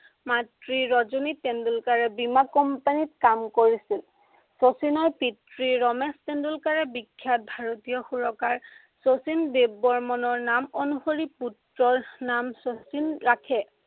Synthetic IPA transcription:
matɹiɹɔzunitːendulkaɹɛbimakɔmpanit̚kamkoɹisil | sosinɔɹpitɹiɹɔmɛstendulkaɹɛbikʰːjat̚bʱaɹotijɔxuɹɔkaɹ | sosinbebɔɹmɔnɔɹnamonuxoɹiputɹɔɹnamsosinɹakʰɛ

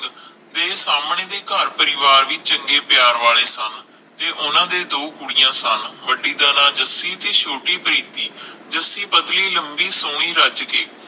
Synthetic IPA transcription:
d̪eːsaːmɳeːd̪eːkəɾpəɾɪʋaːɾʋit͡ʃt͡ʃəŋɡeːpjaːɾʋaːleːsən | t̪eːʔʊnãːd̪eːd̪oːkʊɽijãːsənʋəɖiːd̪ənãːd͡ʒəsiːt̪eːʃoːʈiːpəɾiːt̪iːd͡ʒəsːiːpəd̪liːləmbiːsõːĩːɾəd͡ʒkeː

